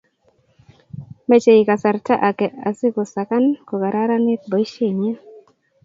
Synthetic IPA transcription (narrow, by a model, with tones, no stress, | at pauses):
me˨t͡ʃe˨i˨ka˨sa˨ɾta˦ʔa˨kɛ˨ʔa˨sɪ˦ko˨sa˨ka˦nko˨ɡa˨ɾa˦ɾa˦nɪ˦t̚bɔ˨i˦ʃe˦˨ɲɛ˦